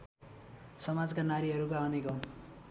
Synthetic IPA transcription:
sʌmad͡zkanaɾiɦʌɾukaʌnekʌn

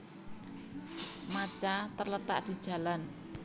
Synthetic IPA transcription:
mat͡ʃat̪ərlət̪a̰ʔd̪̥i̤̥ʒ̥a̤lan

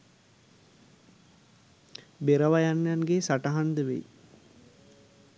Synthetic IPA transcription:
beɾəʋajanːjanɡesaʈaɦand̪əʋḛj

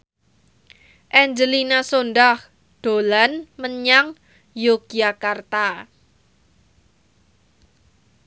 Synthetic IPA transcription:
ʔɛɲd͡ʒəlinasonɖah | d̪̥o̤lanməɲaŋ | joɡ̥ijakart̪a

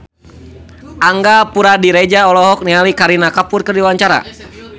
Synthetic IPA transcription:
aŋɡapuɾadiɾɛd͡ʒaɔlɔɦɔk̚niɦalikaɾinakapʊrkɨrdiwaɲt͡ʃaɾa̰

